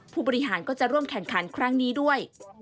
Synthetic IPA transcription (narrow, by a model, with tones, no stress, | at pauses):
pʰuː˥˩bɔː˧ɾi˦˥ɦaː˩˦nkɔː˥˩t͡ɕa˨˩ɾu˥˩əmkʰɛ˨˩ŋkʰa˩˦nkʰɾa˦˥ŋniː˦˥du˥˩əj